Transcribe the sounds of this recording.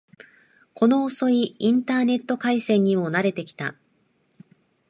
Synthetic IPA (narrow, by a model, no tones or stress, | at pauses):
ko̞no̞ːso̞iĩnt̪aːne̞t̪ːo̞kaisẽ̞ɲ̟ːimo̞naɾe̞t̪e̞kʲi̥t̪a̰